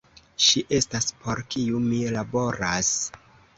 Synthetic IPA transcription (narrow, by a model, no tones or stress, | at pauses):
ʃiʔe̞staspʰo̞ɾkiumilabo̞ɾas